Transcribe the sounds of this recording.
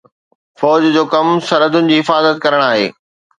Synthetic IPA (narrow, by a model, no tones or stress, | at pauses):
fɔːd͡ʑd͡ʑoːkɐmsɐɾəd̪ʊnɪ̆d͡ʑiːɦɪfaːzət̪̚kɐɾəɽ̃aːɦḛː